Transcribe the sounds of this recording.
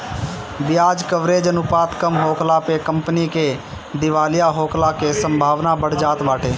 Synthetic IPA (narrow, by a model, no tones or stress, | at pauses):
bɪjaːd͡ʒkəʋɾeːd͡ʒənʊpaːt̪kəmɦoːkʰlapekə̃mpnike | d̪ɪʋaːlɪjaɦoːkʰlakesə̃mbʱaːʋnabəɽ̤d͡ʒaːt̪baːʈʰeː